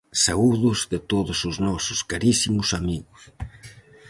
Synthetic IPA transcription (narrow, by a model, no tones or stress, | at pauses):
sauðʊzðɪt̪oðʊsʊznɔsʊskaɾisimʊsamiɣʊs